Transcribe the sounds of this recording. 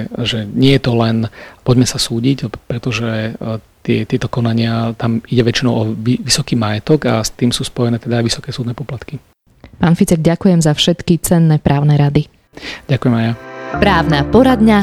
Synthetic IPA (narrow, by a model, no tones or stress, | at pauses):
ʒɛɲɪɛjɛt̪ɔlɛnpɔɟmɛsasuːɟicpɾɛt̪ɔʒɛt̪ɪɛt̪ɪɛt̪ɔkɔnaɲɪat̪amiɟɛʋɛt͡ʃinɔʊɔʋiʋisɔkiːmajɛt̪ɔɡast̪iːmsuːspɔjɛnɛːt̪ɛd̪aːɪʋisɔ̥kɛːsuːd̪nɛːpɔplat̪ki | paːnfit͡sɛɡɟakujɛmzafʃɛt̪kit͡sɛnːɛpɾʔaːʊnɛɾad̪i | ɟakujɛmajapɾaːʊnapɔɾad̪ɲa